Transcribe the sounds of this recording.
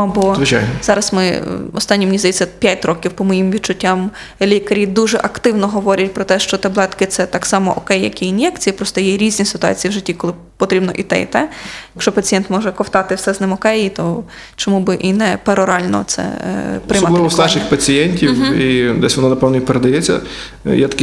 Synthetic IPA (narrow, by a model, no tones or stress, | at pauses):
bɔzʋɪt͡ʃajnɔzɑɾɐsmɪ̰ɔst̪ɑnʲːimnʲizd̪ɐjit͡sʲːɐpʲjatʲɾɔkʲiwpɔmɔjimʋʲid̚t͡ʃːʊtʲːɑm | lʲikɐɾʲid̪uʒɛʔɐkt̪ɪwnɔɦɔʋɔɾʲɐtʲpɾɔt̪ɛʃt͡ʃɔt̪ɐblˠɛt̪kɪt̪sɛt̪ɑksɑmɔʔɔkɛjːɐ̰kʲiːnjɛkt͡sʲijipɾɔst̪ɔjɛɾʲizʲnʲisɪ̥t̪ʊɑ̰t͡sʲijiwʒɪtʲːikɔlˠɪ | pɔt̪ɾʲibnɔʔit̪ɛ̰ḭt̪ɛjɐkʃt͡ʃɔpɐt͡sʲijɛnt̪mɔʒɛkɔwt̪ɑt̪ɪwsɛznɪmɔkɛjit̪ɔ | t͡ʃɔmubɪʔinɛpeɾɔɾɑlʲnɔ̰t̪sɛ̰ppɾɪmɾsɑʃɪxpɐt͡sʲijɛnʲtʲiwid̪ɛsʲʋɔnɔnɐpɛwnɔipeɾed̪ɐjɛt͡sʲːɐ̰ | jat̪ɐ̥kʲi